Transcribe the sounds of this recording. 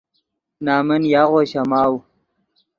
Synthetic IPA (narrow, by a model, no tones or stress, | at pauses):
naːmɐnjaːɣoːɕɐmaːw